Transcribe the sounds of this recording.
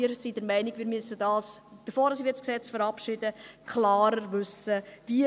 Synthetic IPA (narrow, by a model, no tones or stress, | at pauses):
iəɾsidɛɾmɛɪniɡʋiːɾmyəsːədɑːsb̥efoːɾəsiʋɪsksɛt͡sfəɾɑpʃɪd̥əkʰlɑːɾəɾvʉsəvi